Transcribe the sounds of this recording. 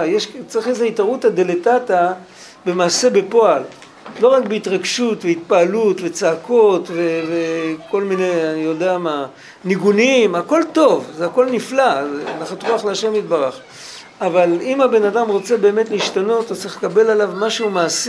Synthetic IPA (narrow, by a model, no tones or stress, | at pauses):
jeʃt͡siχezeitaʁutad̪eletata | be̞maːse̞be̞po̞alː | o̞ʁakbeitʁaɡʃutveit̪̚paːlutve̞t͡saːkʰo̞tve̞veko̞lmineanijo̞deama | niɡunimako̞lto̞vzeako̞lniflazenaχat̪ʁuaχleaʃe̞mit̪baʁaχ | avalimabe̞nadamʁo̞t͡se̞be̞ːme̞tliʃtano̞tot͡siχlekabe̞lalavmaʃeumaːs